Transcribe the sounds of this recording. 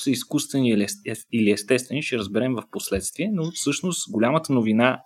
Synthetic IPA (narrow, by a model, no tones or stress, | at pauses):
səiskust̪vɛniiliɛst̪ɛst̪vɛniʃɛɾəzbɛɾɛmvəfposlɛt̪st̪viɛnofsɤʃnost̪ɡolʲamət̪ənovina